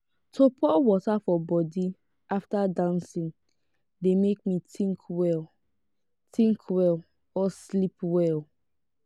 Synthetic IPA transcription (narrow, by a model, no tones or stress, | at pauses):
tʰopʰɔwɔtafɔbɔdi | aftadãnsĩŋ | demek̚mitʰĩŋkwɛl | tʰĩŋkʰwɛl | ɔslipwɛl